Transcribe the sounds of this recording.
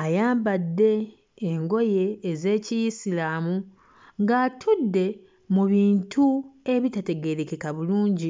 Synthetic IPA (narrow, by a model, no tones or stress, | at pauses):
ajaːmbadːe̞ː | ŋɡo̞je̞ːze̞ːcijisilaːmu | ŋɡaːtʰudːe̞ | muβiːntʰue̞βitate̞ɡe̞ɾeke̞kaβuluːɲɟi